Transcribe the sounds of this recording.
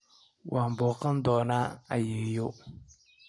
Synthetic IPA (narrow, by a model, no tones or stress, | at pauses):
wʔambʊkəndɔːnaa̰jijo